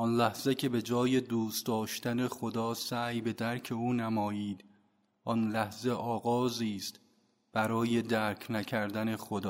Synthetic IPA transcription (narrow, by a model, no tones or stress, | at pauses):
ʔɒnlæhz̥ecʰe̞be̞d͡ʒɒːje̞d̪uːst̪d̪ɒːʃt̪æne̞xod̪ɒːsæːjbe̞d̪æɾcʰe̞uːnæmɒːjiːd̪ | ʔɒnlæhze̞ʔɒːɣɒːziːst̪ | b̥æɾɒːje̞d̪æɾcʰnæcʰæɾd̪æne̞xod̪ɒː